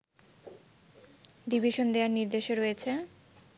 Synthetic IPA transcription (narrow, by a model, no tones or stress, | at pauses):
d̪ibʱeʃond̪eaɾniɾd̪eʃeɾojet͡ɕʰe